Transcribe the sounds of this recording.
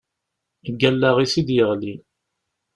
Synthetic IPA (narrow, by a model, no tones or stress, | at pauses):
əɡːælːaʁisid̪jəʁli